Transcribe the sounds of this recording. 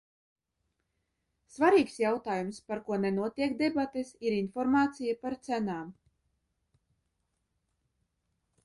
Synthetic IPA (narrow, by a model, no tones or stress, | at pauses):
svaɾiːksjawt̪aːjumspaɾkuɔnɛnuɔt̪iɛkd̪ebat̪esiɾinfɔɾmaːt̪sijapaɾt̪sænaːm